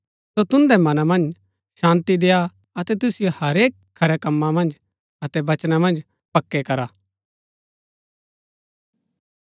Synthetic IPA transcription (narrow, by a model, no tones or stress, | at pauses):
sot̪ʊ̃nd̪ɛmɐnamɐ̃nd͡ʒ | ʃãːnt̪id̪eːa | ɐt̪ɛt̪ʊsɪjohɐɾeːkʰːɐɾɛkɐmːãmɐ̃nd͡ʒ | ɐt̪ɛbɐt͡ʃnamɐ̃nd͡ʒ | pɐkːɛkɐɾaː